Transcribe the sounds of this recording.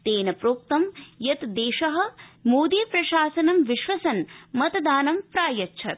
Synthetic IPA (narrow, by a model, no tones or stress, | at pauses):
t̪eːnɐpɾoːk̚t̪ɐmjɐt̪d̪eːʃɐɦɐ̆moːd̪iːpɾɐʃaːsɐnɐmʋiʃʋɐsɐnmɐt̪d̪aːnɐmpɾaːjɐtːʃʰɐt̪̚